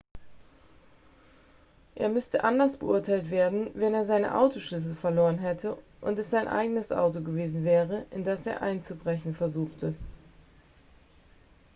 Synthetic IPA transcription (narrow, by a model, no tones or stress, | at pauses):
ʔḛːɐmʏstəʔandɐsb̥əʔʊɐtʰaɪltv̥eːɐdn̩vɛneːɐzaɪnə̰ʔa̰ʊtoʃʏs̬l̩fɛɐloːʁənɦɛtʰəʔʊntɛsz̥aɪnʔa̰ɪɡənəsʔa̰ʊtoɡəveːzn̩vɛːʁəʔɪndasḛːɐʔa̰ɪnt͡subʁɛçn̩fɛɐzuːxtʰə